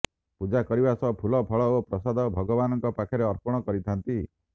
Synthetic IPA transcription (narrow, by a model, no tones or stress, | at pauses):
pud͡ʒakɔɾibasɔpʰulɔpʰɔɭɔopɾɔsad̪ɔbʱɔɡɔbanɔŋkɔpakʰɔɾeɔɾpɔɽ̃ɔkɔɾit̪ʰant̪i